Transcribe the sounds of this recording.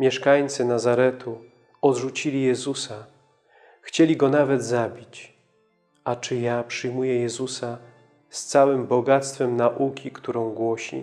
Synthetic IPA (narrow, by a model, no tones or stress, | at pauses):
mʲjɛʂkajt̪sɘnazaɾɛt̪ʰu | ɔd̪ʐut͡ɕilʲijɛzusa | xt͡ɕɛlʲiɡɔnavɛd̪zabʲit͡ɕ | at͡ʂɘjapʂɘjmujɛjɛzusa | st̪sawɘmbɔɡat̪st̪fɛmnaʔukʲikt̪uɾɔ̃w̃ɡwɔɕḭ